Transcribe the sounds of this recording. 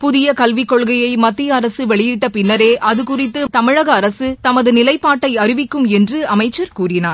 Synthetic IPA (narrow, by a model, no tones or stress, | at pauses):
pʊðɪjɐkɐlʋɪkːɔɭɣɐjɐɪmɐt̪ːɪjɐːɾɐsɯʋɛɭɪjɪʈːɐpɪnːɐɾeːʔɐðɯkʊrɪt̪ːɯt̪ɐmɪɻɐɣɐːɾɐsɯt̪ɐmɐðɯnɪlɐɪpːaːʈːɐɪɐrɪʋɪkːɯmɛndrɯɐmɐɪt͡ʃːɐɾkuːrɪnaːɾ